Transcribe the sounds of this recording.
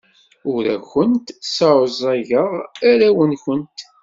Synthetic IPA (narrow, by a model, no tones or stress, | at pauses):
ʊɾæ̰xʊnt̪sɑɾəzˤæʝəʁaɾæwənçənt̪